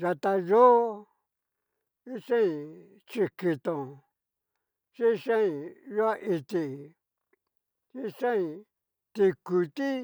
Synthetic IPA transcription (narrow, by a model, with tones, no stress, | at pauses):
ʒa˧t̪a˧jo˦ | i˦ʂã˦ĩ˧˨ | t͡ʃi˧ki˧t̪õ˨ | t͡ʃĩ˦˧ʂã˦ĩ˧˨jo˦a˦˧ʔi˧t̪i˧ | t͡ʃi˦ʂã˦ĩ˧˨ | t̪i˧ku˧t̪i˦